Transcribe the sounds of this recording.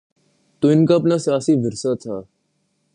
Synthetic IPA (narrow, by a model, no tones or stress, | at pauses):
t̪uːɪnkaːpnaːsjaːsiːʋəɾsaːt̪ʰaː